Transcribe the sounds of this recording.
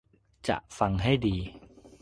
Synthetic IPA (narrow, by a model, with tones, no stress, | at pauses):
t͡ɕa̰˨˩ʔfa˧ŋɦa˥˩jdiː˧